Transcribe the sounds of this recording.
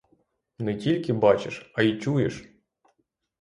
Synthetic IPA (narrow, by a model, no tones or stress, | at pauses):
nɛtʲilʲkʲɪbɑt͡ʃɪʃɐit͡ʃujḛʃ